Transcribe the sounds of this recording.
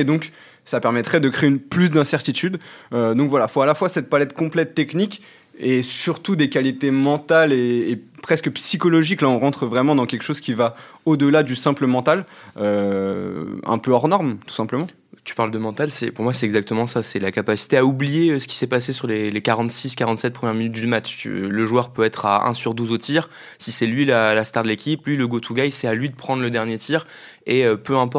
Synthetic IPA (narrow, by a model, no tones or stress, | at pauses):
ed̪ɔ̃k | sapɛʁmɛt̪χɛd̪əkχeeynplys̬d̪ɛ̃sɛʁt̪it̪yd̪ød̪ɔ̃kvwalafoalafwasɛt̪̚palɛt̪kɔ̃plɛt̪ːɛknikʲ | esyʁt̪ud̪ekʲalit̪emɑ̃t̪aleːpχɛskəpsikɔlɔʒiklaɔ̃ʁɑ̃t̪χvʁɛmɑ̃d̪ɑ̃kʲɛlkʃozkʲivaod̪əlad̪ysɛ̃pləmɑ̃t̪alø | ɛ̰̃pøɔʁnɔʁmt̪u̥sɛ̃pləmɑ̃ | t̪y̥paʁld̪əmɑ̃t̪alsɛ̰puʁmwasɛt̪ɛɡzak̚t̪əmɑ̃sasɛlakapasi̥t̪eaublijesə̥kʲi̥sɛpasesyʁlelekaʁɑ̃t̪siskaʁɑ̃t̪sɛt̪̚pχəmjɛʁminyt̪̚d̪ymat͡ʃt̪y̰ləʒwœʁpøɛt̪χaɛ̰̃syʁd̪uzot̪iʁ | sisɛlɥilalast̪aʁd̪əlekʲiplɥiləɡot̪ʰuɡajsɛalɥid̪əpχɑ̃d̪ʁləd̪ɛʁnjet̪ʰiʁ | eøpøɛ̃pɔ